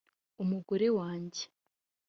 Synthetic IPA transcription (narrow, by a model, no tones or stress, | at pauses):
umuɡoɾe̞waːɲɟe̥